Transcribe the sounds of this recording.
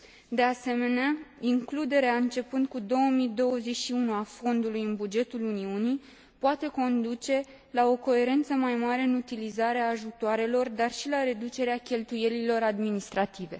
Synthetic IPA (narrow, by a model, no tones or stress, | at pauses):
d̪e̞ase̞me̞neaiŋklud̪e̞ɾeaɨnt͡ʃe̞pɨnd̪̚kud̪o̞wəmid̪o̞wəze̞t͡ʃʲʃiunuafo̞nd̪ulujɨnbud͡ʒe̞t̪uluniuni | poat̪e̞ko̞nd̪ut͡ʃe̞ | lao̞ko̞e̞ɾe̞nt̪səmajmaɾe̞ɨnut̪ilizaɾeaːʒut̪oaɾe̞lo̞rd̪arʃilaɾe̞d̪ut͡ʃe̞ɾeakʲe̞lt̪uje̞lilo̞ɾad̪minist̪ɾat̪ive̞̰